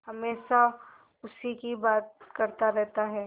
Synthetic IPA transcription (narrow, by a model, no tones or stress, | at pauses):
hɐmeːʃa | ʊsikibaːt̪̚kɐɾt̪aɾɛɦt̪aɦɛː